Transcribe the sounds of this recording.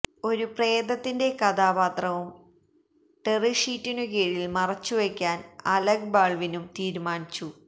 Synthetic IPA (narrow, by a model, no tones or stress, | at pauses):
o̞ɾupreːd̪ɐt̪ːinde̞kɐd̪aːbaːt̪rɐʋum | ʈeriʂiːtːinukeːɻijilmɐrɐt͡ɕːuʋekʲːaːnɐlɐɡbaːɭʋinumt̪iːɾumaːnit͡ɕːu